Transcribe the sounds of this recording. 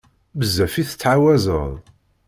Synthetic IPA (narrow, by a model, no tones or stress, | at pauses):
bəzːæfiθə̥t͡sːʕawæzə̰ðˤ